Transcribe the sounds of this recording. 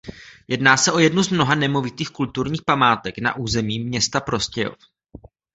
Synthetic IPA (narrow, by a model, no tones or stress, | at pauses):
jɛdnaːsɛʔo̞jɛdnuzmno̞ɦanɛmovɪt̪iːxkult̪uɾɲiːxpamaːt̪ɛkna̰ʔuːzɛmiːmːɲɛst̪apɾo̞scɛjo̰f